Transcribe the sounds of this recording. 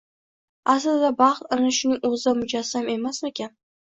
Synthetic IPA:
aslɪd̪d̪abɑχt̪anɪʃʊnɪŋɵzɪd̪amʊd͡ʒasːame̞masmekʲʰan

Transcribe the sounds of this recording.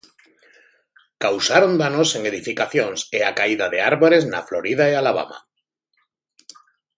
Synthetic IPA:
kawsaɾond̪anoseŋe̞ðifikaθjoŋseakaiðaðeaɾβoɾezna̰floɾið̞aealaβ̞a̰ma̰

